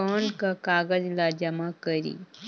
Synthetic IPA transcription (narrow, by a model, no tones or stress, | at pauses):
onkakaɡəd͡zlad͡ʒɐmakəɾḭ